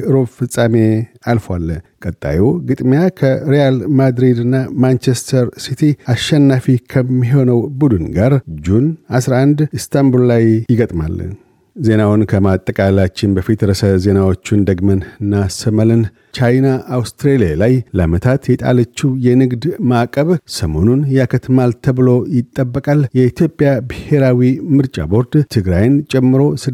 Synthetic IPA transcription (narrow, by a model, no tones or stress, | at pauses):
ɨɾo̞fɨsʼame̞alfwalːəkʼət̪ʼːa̰joɡɨt̪ʼmijakʰəɾejalmad̪ɾid̪ɨnːamant͡ʃest̪ʰəɾsit̪ʰiaʃːɛnːafikʰəmːiɦo̞nəwbud̪ɨnɡaɾd͡ʒunasɾaand̪ɨst̪ʰambullajjɪɡət̪ʼma̰lːə̰ | ze̞nawʊnkʰəmat̪ʼːəkʼalat͡ʃːɪnbəfit̪jɾəsəze̞nawo̞t͡ʃːund̪əɡmənɨnːasəməlɨn | t͡ʃajnaʔːwst̪ɾelijalajləamət̪ʰat̪jɛt̪ʼa̰lət͡ʃːujɛnɨɡd̪makʼəβsəmo̞nunjɛakʰət̪malt̪ʰəβɨlo̞jɪt̪ʼːəbːəkʼaljɛit̪ʰjo̞pʼːjabɨhe̞ɾawimɨɾt͡ʃʼa̰bo̞ɾd̪t̪ʰɨɡɾajnt͡ʃʼɛmːɨɾo̞sɨ